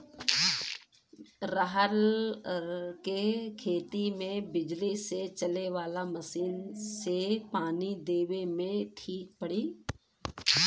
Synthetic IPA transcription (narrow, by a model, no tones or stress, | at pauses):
ɾəɦəl | kekʰeːt̪imẽbɪd͡ʒliset͡ʃɐleʋaːlaməsiːnsepaːnid̪eːʋemẽʈʰiːk̚pəɽiː